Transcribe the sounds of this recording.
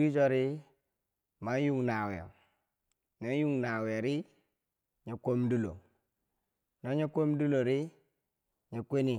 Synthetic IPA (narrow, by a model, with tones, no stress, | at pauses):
i˦d͡ʒo˦ɾi˦ | ma˦ju˦ŋna˨wḛ˨ | no˦ju˦ŋna˨we˨ɾi˦ | ɲe˨ko˦mdu˦lo̰˨ | no˨˦ɲe˦kʷo˦m˦du˦lo˨ɾi˦ | ɲe˨kʷe˦ni˨